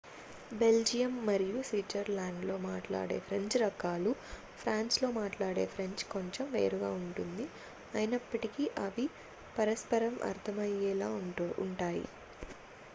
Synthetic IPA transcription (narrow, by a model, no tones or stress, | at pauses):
be̞ld͡ʒijɐmːɐɾijusʋiʈːɐɾlaːɳɖlo̞ːmaːʈla̰ːɽe̞̰ːpʰɾeɲt͡ʃɾɐkaːlu | pʰɾaːnslo̞ːmaːʈlaːɽe̞ːpʰɾe̞ɲt͡ʃko̞ɲt͡ʃemʋḛːɾuɡa̰ːuɳʈund̪i | ɐjinɐpːɐʈikiʔɐʋi | pɐɾɐspɐɾɐmʔɐ̰ɾt̪ʰɐmɐjːɛlaːuɳʈaːjḭ